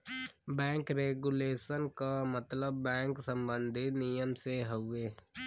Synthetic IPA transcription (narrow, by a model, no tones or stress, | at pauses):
bɛ̃ːŋkɾeːɡuleːʃənkamət̪ləbːɛ̃ːŋksə̃mbə̃nd̪ʱinijəmseɦəʊeː